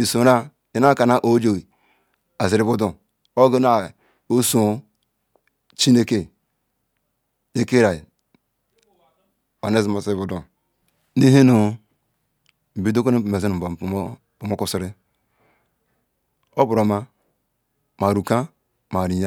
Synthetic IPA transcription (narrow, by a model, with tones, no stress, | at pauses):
i˨so˨˦ɾa˦ | e˨na˦ka˨na˦ʔo˦d͡ʒo˨i˨ | a˨zi˨ɾi˦bu˦du˨ | o˦ɡe˦na˨ | o˦so˦ | t͡ʃi˦ne˦ke˦˨ | ne˦ke˦ɾa˨i˨ | a˨ne˦zi˦ma˨zi˨ɾi˦bu˦du˨ | ni˦ɦe˦no˨ | bi˨do˦ko˦n˦˨me˨zi˦nu˨bo˨˦ | pu˨mo˦ku˦˨si˦ɾi˦ | o˦bu˨ɾo˨ma˦ | ma˨ɾu˨ka˦ | ma˨ɾi˨ja˦